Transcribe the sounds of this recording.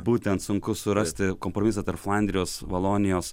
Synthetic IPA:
buːt̪ʲɛnt̪sʊŋkʊsʊɾɐsʲt̪ʲɪkoːmpɾomʲɪsɐt̪ɐɾpflˠɐnʲd̪ʲɾʲɪjoːsʋɐlˠoːnʲɪjoːs

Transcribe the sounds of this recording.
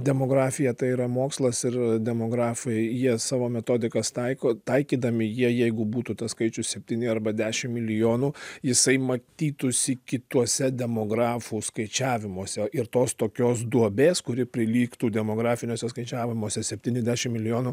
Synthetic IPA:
d̪ʲɛmoːɡɾɑːfʲɪjɛt̪ɐɪiɾɐmoːkslˠɐsɪrd̪ʲɛmoːɡɾɑːfɐɪjiɛsɑːʋoːmʲɛt̪oːd̪ʲɪkɐst̪ɐɪkoːt̪ɐɪkʲiːd̪ɐmʲɪjiɛjɛɪɡʊbuːt̪uːt̪ɐskɐɪt͡ʃʲʊssʲɛpʲt̪ʲiːnʲɪɐrbɐd̪ʲæːʃʲɪmmʲɪlʲɪjoːnuːjɪsɐɪmɐt̪ʲiːt̪ʊsʲɪkʲɪt̪uɔsʲɛd̪ʲɛmoːɡɾɑːfuːskɐɪt͡ʃʲæːʋʲɪmoɔsʲɛɪrt̪oːst̪oːkʲoːs̬d̪uɔbʲeːskʊɾʲɪpʲɾʲɪlʲiːkt̪uːdʲɛmoːɡɾɑːfʲɪnʲoɔsʲɛskɐɪt͡ʃʲæːʋʲɪmoːsʲɛsʲɛpʲt̪ʲiːnʲɛzdʲæːʃʲɪmmʲɪlʲɪjoːnu

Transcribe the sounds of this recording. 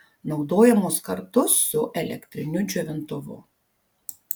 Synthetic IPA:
nɒʊd̪oːjɛmʊskɐɾt̪ʊsːʊʔɛlʲɛ̰kt̪ʲɾʲɪnʲʊd͡ʒʲɛʋʲɪnt̪ʊʋʊ̰

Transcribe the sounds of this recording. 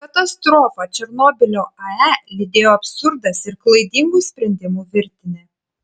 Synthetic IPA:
kɐt̪ɐst̪ɾoːfɐt͡ʃʲɛɾnoːbʲɪlʲoːɐælʲɪd̪ʲeːjoːɐpʲsʊɾd̪ɐsɪɾklˠɐɪd̪ʲiŋɡuːsʲpʲɾʲɛnʲd̪ʲɪmuːʋʲɪɾʲt̪ʲɪnʲe

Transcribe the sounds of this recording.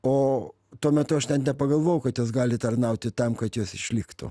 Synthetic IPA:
oː | t̪uɔmʲɛt̪ʊɐʃtʲɛnt̪nʲɛpɐɡɐlˠʋoːjʊkɐt̪joːs̬ɡɑːlʲɪt̪ɐrnɐʊt̪ʲɪt̪ɐmkɐt̪joːsɪʃʲlʲɪkt̪ʊ̰

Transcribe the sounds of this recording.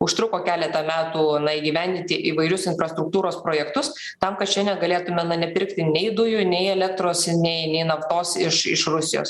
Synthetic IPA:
ʊʃt̪ɾʊkoːkʲæːlʲɛt̪ɐmʲæːt̪uːnɐiɡʲiːʋʲæˑnʲd̪ʲɪnʲt̪ʲɪʔiːʋɐɪɾʲʊsɪnfɾɐst̪ɾʊk̚t̪uːɾoːspɾoːjɛkt̪ʊs | t̪ɐmkɐt̪ʃʲɛnʲɛnɡɐlʲeːt̪ʊmʲɛnɐnʲɛpʲɪɾkt̪ʲɪnʲɛɪd̪ʊjʊnʲɛɪɛlʲɛk̚t̪ɾoːsnʲɛɪnʲɛɪnɐft̪oːsɪʃɪ̰ʃɾʊsʲɪjo̰ːs

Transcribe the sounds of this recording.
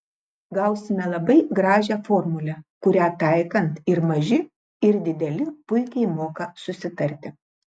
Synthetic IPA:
ɡɐʊsʲɪmʲɛlˠɐbɐɪɡɾɑːʒʲɛːfoːɾmʊlʲɛkʊɾʲæːt̪ɑˑɪkɐnt̪ɪɾmɐʒʲɪ | ɪɾd̪ʲɪd̪ʲɛlʲɪpʊɪkʲɛɪmoːkɐsʊsʲɪt̪ɐɾʲt̪ʲɪ

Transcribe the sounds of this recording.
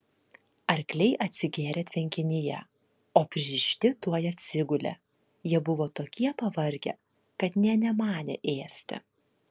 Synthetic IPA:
ɐɾʲklʲɛɪʔɐt̪ʲsʲɪɡʲeːɾʲeːt̪ʲʋʲɛŋʲkʲɪnʲɪjɛ̰ | oːpʲɾʲɪɾʲɪʃʲt̪ʲɪt̪uɔjɐt̪ʲsʲɪɡʊlʲḛ | jiɛbʊʋoːt̪oːkʲiɛpɐʋɐɾʲɡʲḛː | kɐt̪nʲɛnʲɛmɑːnʲḛʔeːsʲt̪ʲɪ̰

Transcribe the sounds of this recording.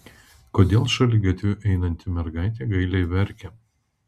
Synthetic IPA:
koːd̪ʲeːlˠʃɐlʲɪɡɐt̪ʲʋʲʊʔɛɪnɐnʲt̪ʲɪmʲɛɾɡɐˑɪt̪ʲeːɡɐɪlʲɛɪʋʲɛɾʲkʲɛ

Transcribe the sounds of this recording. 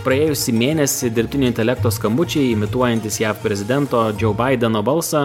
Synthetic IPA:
pɾɐeːjʊsʲimʲeːnʲɛsʲɪd̪ʲɪɾʲpʲt̪ʲɪnʲoːɪnt̪ʲɛlʲɛk̚t̪oːskɐmbʊt͡ʃʲɛɪɪmʲɪt̪uɔjɛnʲt̪ʲɪsjæːfpʲɾʲɛzʲɪd̪ʲɛnt̪oːd͡ʒʲɔʊbɐɪd̪ʲɛnoːbɐlˠsɐ

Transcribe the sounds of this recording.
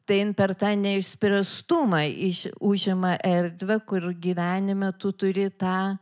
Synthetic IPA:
t̪ɐɪɪnpʲɛrt̪ɑːnʲɛɪʃsʲpʲɾʲɛst̪umɐɪʃuʒʲɪmɐʔɛrʲd̪ʲʋʲɛkʊrɡʲiːʋʲæːnʲɪmʲɐt̪ʊt̪ʊɾʲɪt̪ɑː

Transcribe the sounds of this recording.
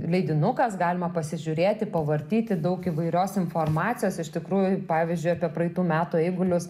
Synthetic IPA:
lʲɛɪd̪ʲɪnʊkɐsɡɑːlʲɪmɐpɐsʲɪʒʲʊɾʲeːt̪ʲɪpɐʋɐɾʲt̪ʲiːt̪ʲɪd̪ɐʊkɪʋɐɪɾʲoːsɪnfoːrmɑːt̪t͡s̪ʲɪjoːsɪʃt̪ʲɪkɾuːjʊpɑːʋʲɪzʲd͡ʒʲʊɪɐpʲiɛpɾɐɪt̪uːmʲæːt̪uːɛɪɡʊlʲʊs

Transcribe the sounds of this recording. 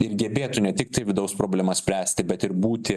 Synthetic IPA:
ɪɾɡʲɛbʲeːt̪ʊnʲɛt̪ʲɪk̚t̪ɐɪʋʲɪd̪ɐʊspɾoːbʲlʲɛmɐsʲpʲɾʲæːsʲt̪ʲɪbʲɛt̪ɪɾbuːt̪ʲɪ

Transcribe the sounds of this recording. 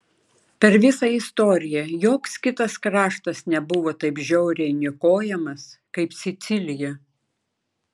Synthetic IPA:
pʲɛɾʋʲɪsɐɪst̪oːɾʲɪjɛjoːkskʲɪt̪ɐskɾɑːʃt̪ɐsnʲɛbʊʋoːt̪ɐɪpʒʲɛʊɾʲɛnʲɪkoːjɛmɐskɐɪpsʲɪt̪sʲɪlʲɪjɛ

